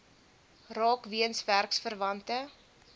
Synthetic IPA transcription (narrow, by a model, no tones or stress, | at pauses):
rɑːkviənsværksfərvɐntə